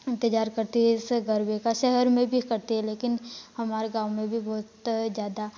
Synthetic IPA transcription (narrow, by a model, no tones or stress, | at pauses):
ɪ̃nt̪əd͡ʒaːɾkɐɾt̪iɦɛɪsɡɐɾbekaʃɛɦɛɾmẽbʱikɐɾt̪iɦɛleːkɪnhɐmaːɾeɡaːwmẽbʱibɔːt̪d͡ʒjaːd̪a